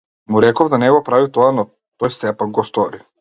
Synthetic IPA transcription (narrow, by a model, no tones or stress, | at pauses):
muɾɛkɔvd̪anɛɡɔpɾavit̪ɔanɔ | t̪ɔjsɛpaɡ̚ɡɔst̪ɔɾi